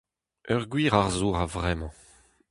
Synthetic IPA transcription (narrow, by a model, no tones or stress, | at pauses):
œʁɡwiːʁaʁzuːʁavʁɛmɑ̃